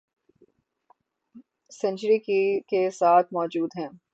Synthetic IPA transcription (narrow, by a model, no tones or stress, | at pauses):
sɛ̃nt͡ʃɾikikesaːt̪̚ʰmɔːd͡ʒuːd̪ɦɛ̃ː